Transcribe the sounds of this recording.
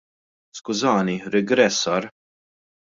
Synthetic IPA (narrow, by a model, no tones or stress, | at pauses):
skʊzɐːniɾɪɡɾɛt̪sːɐɾ